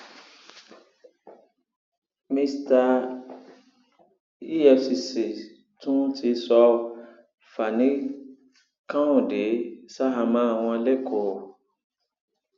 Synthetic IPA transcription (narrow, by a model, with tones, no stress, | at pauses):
mĩ˧sta˧ | i˦ɛ˧fsi˨˧˨se˨ | tũ˦tʰi˧˦sɔ˧ | fa˨nĩ˦ | kã˦ũ˨de˨˦sa˦ɦa˧mã˨˦a˨w̃ɔ̃˧a˧le˦˨kʰo˨˦˨